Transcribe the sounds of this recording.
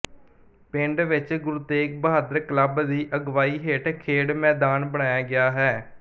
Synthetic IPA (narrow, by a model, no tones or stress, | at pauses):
pɪɳɖʋɪt͡ʃɡʊɾut̪eːk̚bəɦaːd̪əɾkləbd̪iːʔəɡʋaːiːɦeːʈkʰeːɽmɛːd̪aːnbəɽ̃aːjaːɡɪjaːɦɛː